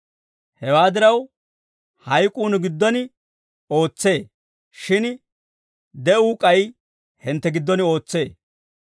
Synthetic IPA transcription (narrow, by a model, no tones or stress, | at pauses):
hɛwaːd̪ɪɾɐw | hɐjkʼuːnɡɪd̪ːɔnɪ | o̞ːt͡sːeː | ʃɪn | d̪ɛʔuːkʼɐj | hɪnt̪ːɛɡɪd̪ːɔnɪo̞ːt͡sːe̞ː